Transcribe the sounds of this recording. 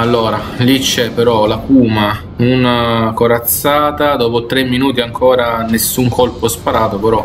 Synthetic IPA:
alːoːɾalit͡ʃːɛpːeɾɔlapuːma | unakoɾat̪sːaːt̪ad̪ɔːpot̪ɾemːinuːt̪iaŋkʰoːɾanesːuŋkʰolpospaɾaːt̪opeɾɔ

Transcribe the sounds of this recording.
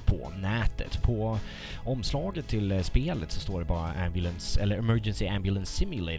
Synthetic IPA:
pʰɔ̰næːt̪ə̰t̪pʰɔ | ɔmslɑːɡət̪ʰːɪlspeːlət̪sɔst̪oːɖɛbɑːɾaʔæmbjʉlənsɛlːəɾɛmœɾd͡ʒənsɪæmbjʊlənsːɪmjʊleɪ

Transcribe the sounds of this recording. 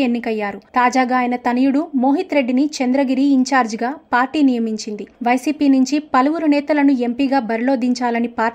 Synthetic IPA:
enːikɐjːaːɾut̪aːd͡ʒaːɡaːjnɐt̪ɐnɐjuɽumo̞ːɦit̪ɾe̞ɖːinit͡ʃend̪ɾɐɡiɾiːɲt͡ʃaːɾd͡ʒɡaːpaːɾʈiːnijɐmiɲt͡ʃind̪iʋɐjsiːpiːnuɲt͡ʃipɐlɐwuɾunɛːt̪ɐlɐnue̞mpiːɡaːbɐɾilo̞ːd̪iɲt͡ʃaːlɐnipaː

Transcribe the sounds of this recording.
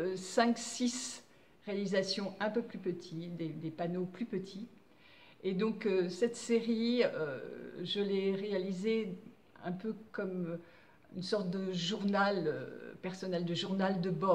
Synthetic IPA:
sɛ̃ksis | ʁealizasjɔ̃ɛ̃pøplypət̪ʰid̪ed̪epanoplypət̪ʰi | ed̪ɔ̃køsɛt̪seʁiø̰ʒəlɛʁealize | ɛ̰̃pøkɔm | y̰nsɔʁt̪̚d̪əʒuʁnalø̰pɛʁsɔnɛld̪əʒuʁnald̪əbɔ

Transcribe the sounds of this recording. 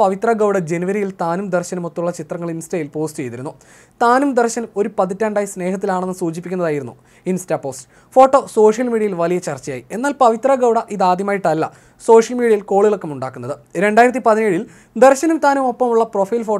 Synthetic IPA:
ɐʋit̪rɐɡɐwɽɐd͡ʑe̞nuʋɐɾijilt̪aːnumd̪erɕɐnumot̪ːuɭːɐt͡ɕit̪rɐŋːɐɭinstɐːjilpo̞ːstɨt͡ɕe̞jt̪iɾunːu | t̪aːnumd̪erɕɐno̞ɾupɐðitːaːɳɖaːjsne̞ːɦɐt̪ːilaːɳe̞nːɨsuːt͡ɕipːikʲːunːɐðaːjiɾunːu | instapo̞ːst | fo̞ːʈːo̞ːso̞ːʂjɐlmiːɽiɐjilʋɐlijɐt͡ɕɐrt͡ɕːɐja̰ːjie̞nːaːlpɐʋit̪rɐɡɐwɽɐʔiðaːd̪jɐmaːjiʈːɐlːɐ̰ | so̞ːʂjɐlmiːɽiɐjilko̞ːɭilokːɐmuɳɖa̰ːkːunːɐðɨɾe̞ɳɖaːjiɾɐt̪̬ːipɐðineːɻil | d̪erɕɐnumt̪aːnumo̞pːɐmuɭːɐpro̞fɐjlfo̞ː

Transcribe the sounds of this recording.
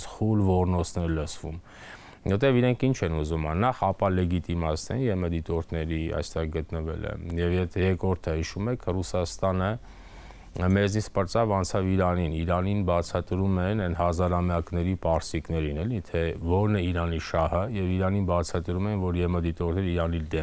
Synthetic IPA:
χulvɔrnɔt͡sʰnɛɾləsʰvṵm | ɔt̪ɛviɾɛŋkʰint͡ʃʰɛnuzumɑnɑχɑpɑlɛɡit̪imɑsnɛ̰njɛməd̪it̪ɔɾt̪ʰnɛɾiɑ̰jst̪ɛʁɡət̪nəvɛ̰lɛ̰jɛvjɛt̪ʰɛjɛkɾɔɾt̪ʰəhiʃumɛkʰrusɑst̪ɑnə | mɛznit͡sʰpəɾt͡sɑvɑnt͡sʰɑviɾɑniniɾɑninbɑt͡sʰɑt̪ɾumɛnɛnhɑzɑɾɑmjɑknɛɾipɑɾsiknɛɾinɛlit̪ʰɛvɔɾnɛiɾɑniʃɑhəjɛviɾɑninbɑt͡sʰɑt̪ɾumɛnvɔɾjɛməd̪it̪ɔɾt̪ʰnɛɾiɾɑnid̪ɛ

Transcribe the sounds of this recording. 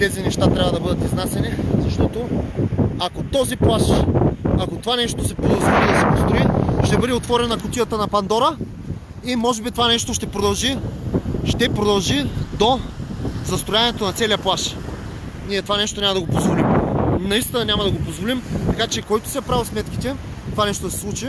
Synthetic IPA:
t̪ɛzinɛʃt̪at̪ɾʲabvɐd̪ɐbɤd̪ɐt̪iznasɛnizɐʃt̪ɔt̪o | akot̪ɔziplˠaʃ | akot̪ovanɛʃt̪osɛpɾod̪ɐzvolid̪ɐsɛpost̪ɾʊiʃt̪ɛbɤd̪ɛot̪vɔɾɛnɐkʊt̪ʲijət̪ənɐpɐnd̪ɔɾə | imɔʒɛbit̪ovanɛʃt̪oʃt̪ɛpɾod̪ɐlˠʒi | ʃt̪ɛpɾod̪ɐlˠʒid̪o | zɐst̪ɾojanɛt̪onɐt̪sɛliɐplˠaʃ | niɛt̪ovanɛʃt̪onʲɲʲaməd̪ɐɡopozvolimnɐist̪inɐnʲamɐd̪ɐɡopozvolimt̪ɐkat͡ʃɛkɔjt̪o̥siɐpɾavismɛt̪kʲit̪ɛ | t̪ovanɛʃt̪od̪ɐsɛ̥slˠut͡ʃi

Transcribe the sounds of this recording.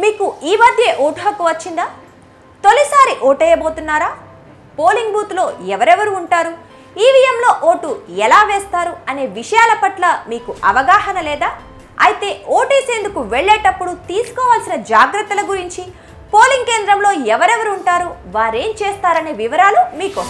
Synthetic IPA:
miːkuiːmɐd̪ʱjeʔoːʈuɦɐkːuʋɐt͡ʃːind̪aː | t̪o̞lisaːɾiʔoːʈɛjɐbo̞ːt̪unːaːɾaː | po̞ːliŋɡbuːt̪lo̞ːɛʋɐɾɛʋɐɾuːɳʈaːɾu | iːʋijɐmlo̞ːʔoːʈuɛlaːʋeːst̪aːɾuɐne̞ːʋiʂɐjaːlɐpɐʈlɐmiːkuʔɐʋɐɡaːhɐnɐlɛːd̪aː | ɐjit̪e̞ːoːʈiːseːnd̪ukuʋeɭːeːʈɐpːuɽut̪iːsu̥kɔːʋaːlsinɐd͡ʒaːɡɾɐt̪ːɐlɐɡuɾiɲt͡ʃi | po̞ːliŋɡkeːnd̪ɾɐmlo̞ːɛʋɐɾɛʋɐɾuːɳʈaːɾuʋaːɾe̞ːmt͡ʃeːst̪aːɾɐne̞ːʋiʋɐɾaːlumiːko

